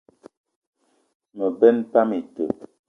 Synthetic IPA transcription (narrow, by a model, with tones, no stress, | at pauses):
mə˨bɛ˦nta˦mi˨tə̰˨